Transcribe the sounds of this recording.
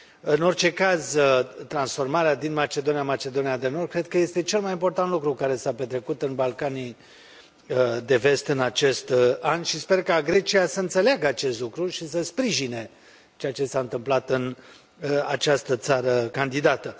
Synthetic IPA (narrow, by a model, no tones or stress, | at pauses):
ɨno̞rt͡ʃe̞kazt̪ɾansfo̞rmaɾead̪inmat͡ʃe̞d̪o̞nijamat͡ʃe̞d̪o̞nijad̪e̞nor̚kɾe̞d̪̚kəje̞st̪e̞t͡ʃe̞lmajimpo̞rt̪ant̪lukɾukaɾe̞sape̞t̪ɾe̞kut̪ɨnbalkani | d̪e̞ve̞st̪ɨnat͡ʃe̞st̪anʃispe̞rkaɡɾe̞t͡ʃiasəɨnt̪se̞leaɡəat͡ʃe̞st̪lukɾuʃisəspɾiʒine̞ | t͡ʃejat͡ʃe̞saɨnt̪ɨmplat̪ɨn | a̰t͡ʃast̪ət̪saɾəkand̪id̪at̪ə